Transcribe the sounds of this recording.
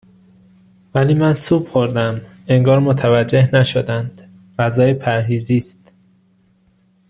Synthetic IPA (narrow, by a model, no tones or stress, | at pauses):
væliːmænsuːb̥xoɾd̪æm | eŋɡɒːɾmot̪ʰævæd͡ʒːe̞hnæʃod̪ænd̪̥ | væzɒːjepʰæɾɦiːziːst̪